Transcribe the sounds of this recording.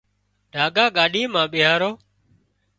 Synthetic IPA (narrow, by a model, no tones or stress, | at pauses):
ɖʱaːɠaːɠaːɗiːmãːɓɪɦaːɾoː